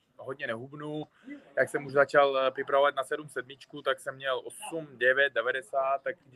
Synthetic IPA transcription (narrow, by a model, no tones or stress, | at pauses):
ɦodɲɛnɛɦubnu | jaksɛmuʒzat͡ʃalprɪpɾavovat̪̚nasɛdumsɛdmɪt͡ʃkut̪aksɛmːɲɛlʔosumdɛvjɛt̪̚dɛvadɛsaːt̪ːak